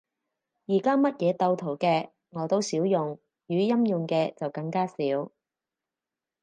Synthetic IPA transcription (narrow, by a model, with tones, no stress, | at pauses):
jiː˨˩kaː˥mɐ˥t̚jɛː˨˧t̪ɐ˧wt̪ʰo˨˩wkɛː˧ | ŋɔː˨˧t̪o˥wsiː˨˥wjʊ˨ŋ | jyː˨˧jɐ˥mjʊ˨ŋkɛː˧t͡sɐ˨wkɐ˧ŋkaː˥siː˨˥w